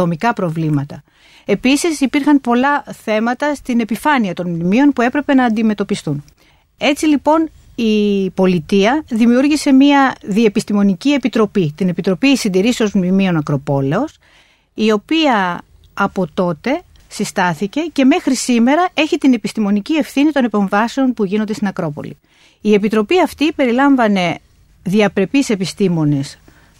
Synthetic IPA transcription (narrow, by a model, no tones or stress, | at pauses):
o̞mikɐpɾo̞vlimɐt̪ɐ | e̞pisisipiɾxɐnpo̞lɐθe̞mɐt̪ɐst̪ine̞pifɐniɐt̪o̞nmnimio̞npue̞pɾe̞pe̞nɐːnd̪ime̞t̪o̞pist̪un | e̞t͡silipo̞n | ipo̞lit̪iɐðimiuɾʝise̞miɐðie̞pist̪imo̞nicie̞pit̪ɾo̞pit̪ine̞pit̪ɾo̞pisind̪iɾiseo̞zmnimio̞nɐkɾo̞po̞le̞o̞s | io̞piɐː | po̞t̪o̞t̪e̞ | sist̪ɐθice̞ce̞me̞xɾisime̞ɾɐe̞çit̪ine̞pist̪imo̞nicie̞fθinit̪o̞nepe̞ɱvɐse̞o̞npuʝinond̪et̪inɐkɾo̞po̞̰lḭ | ie̞pit̪ɾo̞piɐft̪ipe̞ɾilɐɱvɐne̞ | ðiɐpɾe̞pise̞pist̪imo̞nes